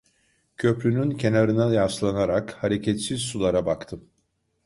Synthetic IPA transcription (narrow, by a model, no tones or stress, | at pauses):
cʰø̞plʲynyncʰe̞naɾɯnajaslˠanaɾakhaɾe̞cʰɛt̪siz̥sulˠaɾabakt̪ʰɯm